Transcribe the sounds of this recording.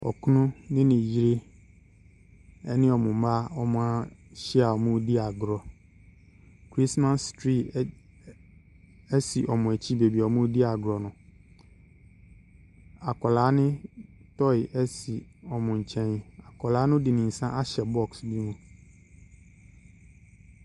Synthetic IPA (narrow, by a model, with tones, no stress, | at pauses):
ɔ̰˨kʰu˦nʊ̃˦nɪ̃˦nɪ̃˨ji˦ɾe˦ | ɛ˦nɪ̃˦ɔ˨mʊ̃˨˦ma˦ɔ˦mʊ̃˦a˦ɕi˦a˨ɔ˨mʊ̃˦di˦a˨ɡɾɔ˨ | kʰɾi˦smã˦stɾi˦˨ | ɛ˦si˨ʔɔ˨mʊ̃˨æ˨t͡ɕʰi˦be˨bi˨ɔ˨mʊ̃˦di˦a˨ɡɾɔ˨nʊ̃˨ | a˨kʰɔ˨laː˨˦nɪ̃˦tɔ˦ɪ˨ʔɛ˦si˨ɔ˨mʊ̃˨ɲ̩˨t͡ɕʰɛ̃˦n˨a˨kʰɔ˨laː˨˦nʊ̃˦dɪ˨nɪ̃˨n̩˨sã˦ʔa˦ɕɛ˨bɔ˦˨ksbi˦mũ˦